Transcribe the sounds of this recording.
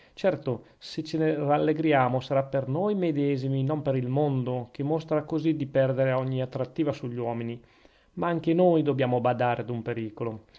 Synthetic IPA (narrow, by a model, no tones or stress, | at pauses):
t͡ʃɛrt̪o | set͡ʃeneralːeɡɾjaːmosaɾapernojmed̪ɛːziminompeɾilmond̪ok̟emːost̪ɾakozid̪ipɛrd̪eɾeɔɲːiat̪ːɾat̪ːiːvasuʎːwɔːmini | maaŋkenojd̪objaːmobad̪aːɾed̪umpeɾiːkolo